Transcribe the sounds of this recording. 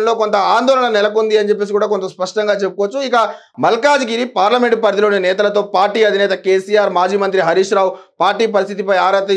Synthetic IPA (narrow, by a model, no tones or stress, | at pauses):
nloːko̞nt̪ɐaːnd̪ɔːlɐɳɐnɛlɐkund̪iɐnit͡ʃepːesikuːɽaːkont̪ɐspɐʂʈɐŋɡaːt͡ʃepukɔʋɐt͡ʃːuikɐ | mɐlkaːd͡ʒɡiɾipaːɾlɐme̞ɳʈpɐɾt̪ilounɐnɛːt̪̬ɐlɐt̪o̞ːpaːɾʈiːɐd̪ʱinɛːt̪ɐkeːsiːjaːɾmaːd͡ʒiːmɐnt̪ɾiɦɐɾiːʂɾaːwpaːɾʈiːpɐɾist̪ʰit̪ipɐjaːɾɐt̪ɐ